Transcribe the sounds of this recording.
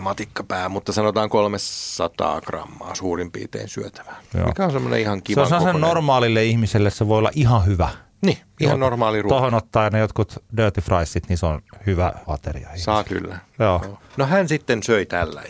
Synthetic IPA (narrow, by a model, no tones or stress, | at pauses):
mɑt̪ikːɑ̥pæːmut̪ːɑsɑnot̪ɑːŋkolmessɑt̪ɑ̰ːkrɑ̰mːɑ̰ːsuːrimpḭːt̪ḛːnsyøt̪æ̥ʋæ̥jo̰ːkæonsemːonḛihɑŋkiʋeonseossenormɑːlilːeihmiselːesseʋoiolːɑ̰ʔihɑhyʋæ | niː | ihɑnnormɑːlirutohonot̪ːɑːjɑnejot̪kut̪døːt̪ifrɑisːit̪ninseonhyʋæ̰ʋɑ̰t̪ḛrḭɑ̰ihsɑːky̰lːæjoːoːnohænsit̪ːensøit̪ælːæ̰